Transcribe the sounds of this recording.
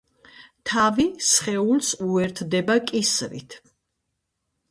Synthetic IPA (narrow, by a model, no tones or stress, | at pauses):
t̪ʰavisχɛulsuɛɾt̪ʰd̪ɛbakʼisɾḭt̪ʰ